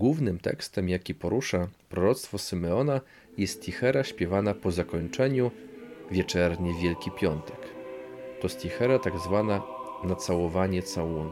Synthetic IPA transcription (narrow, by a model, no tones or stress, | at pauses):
ɡwuvnɘmt̪ɛ̰kst̪ɛmjakʲipɔɾuʂapɾɔɾɔt̪st̪fɔsɘmɛɔna | jɛst̪ixɛɾaɕpʲjɛvanapɔzakɔɲt͡ʂɛɲuvʲjɛt͡ʂɛɾɲɛvʲjɛlkʲipʲjɔnt̪ɛkt̪ɔst̪jixɛɾat̪aɡzvananat̪sawɔvaɲɛt̪sawun